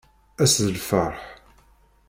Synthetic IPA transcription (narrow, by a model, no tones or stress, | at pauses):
æsðəlfəɾˤħ